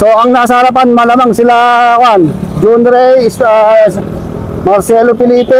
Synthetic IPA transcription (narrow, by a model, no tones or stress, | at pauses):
soaŋnaʔsaɾap̬anmalamaŋsilawand͡ʒund̪ɾejs | marsɛlopilipe